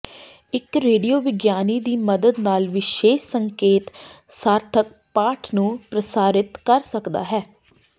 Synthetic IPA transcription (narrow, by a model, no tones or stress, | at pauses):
ɪkɾeːɖijoːʋɪɡjaːniːd̪iːməd̪əd̪naːlʋɪʃeːʃsəŋkeːt̪saːɾt̪ʰək̚paːʈʰnũːpɾəsaːɾɪt̪kəɾsəkd̪a̰ːɦɛː